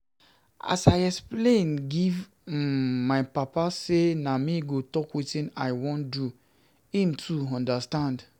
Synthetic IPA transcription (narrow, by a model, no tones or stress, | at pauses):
a̰sajɛksplẽnɡiv | majpapasenamiɡotɔkwitĩna̰ɪwõndu | ĩmtʰuɔ̃ndastãnd